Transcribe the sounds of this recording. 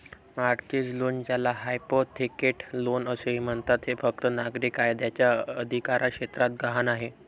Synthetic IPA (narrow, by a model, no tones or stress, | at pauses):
maɾked͡zlond͡ʑjalaɦajpot̪ʰːikeʈlonəseɦim̤əɳt̪at̪ɦefək̚t̪ənaɡɾikaɦed̪jat͡ɕjaəd̪ʱikaɾʔakʂɕet̪ɾat̪̚ɡʱaɦanaɦe